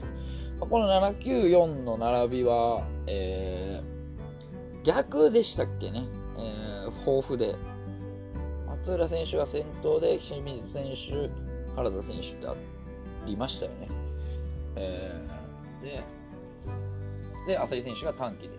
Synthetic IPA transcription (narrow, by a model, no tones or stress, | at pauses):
mako̞no̞nanakʲɨːjõ̞nːo̞naɾabʲiβaeː | ɡʲakɯ̟d̪e̞ɕi̥t̪akːe̞ne̞ | eːho̞ːɸɯ̟d̪e̞ | at͡sɨːɾasẽ̞ɰ̃ɕɨɡasẽ̞nt̪o̞ːd̪e̞ɕimʲizɨsẽ̞ɰ̃ɕɨhaɾazasẽ̞ɰ̃ɕɨ̥t̪ːḛa̰ | ɾʲimaɕi̥t̪ajo̞̰ne̞̰ | eː | d̪e̞ | d̪e̞asais̬ẽ̞ɕɨɡat̪ãŋkʲid̪es